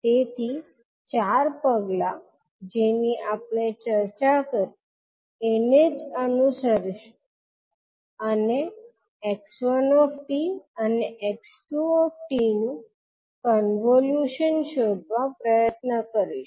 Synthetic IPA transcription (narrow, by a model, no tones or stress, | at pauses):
t̪et̪ʰi | t͡ɕaɾpəɡla | d͡ʑeniʔapɽ̃et͡ɕəɾt͡ɕakəɾi | eneənusəɾʃ | əne | eksənɔfʈiəneʔeksʈuɔfʈinu | kənʋoljuʃənʃod̪ʱʋapɾəjət̪nəkəɾiʃ